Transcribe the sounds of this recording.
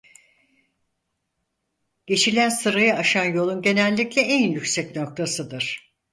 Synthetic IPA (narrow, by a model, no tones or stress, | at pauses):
ɟ̥e̞t͡ʃʰilʲænsɯɾajɯaʃanjo̞lˠunɟe̞nɛlʲːiclʲɛʔɛnjycsɛcno̞k̚t̪ʰasɯd̪ɯɾ̥